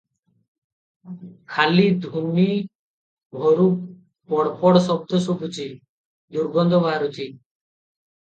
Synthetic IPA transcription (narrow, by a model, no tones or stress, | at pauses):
kʰalid̪ʱumi | bʱɔɾuk | pɔɽpɔɽsɔb̚d̪ʱɔsubʱut͡ʃi | d̪uɾɡɔnd̪ʱobʱaɾut̪i